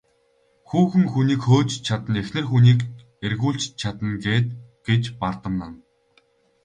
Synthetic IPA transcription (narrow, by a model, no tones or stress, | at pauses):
xuːxɘ̆ŋxuniːkxoːt͡ɕt͡ɕʰat̪ə̆nexnɘ̆rxuniːk | erɣuːɬt͡ɕt͡ɕʰat̪ə̆nɡeːt̪̚ɡ̥et͡ɕpart̪ə̆mna̰n